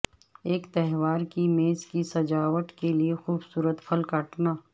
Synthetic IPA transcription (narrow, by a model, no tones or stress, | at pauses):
eːkt̪ɛɦʋaːɾkimeːzkisɐd͡ʒaːʋəʈ̪keliexuːbsuːɾət̪fʰɐlkaʈnaː